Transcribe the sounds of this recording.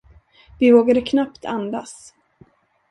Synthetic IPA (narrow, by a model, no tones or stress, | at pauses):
vɪvoːɡad̪əkʰnapt̪ʰand̪as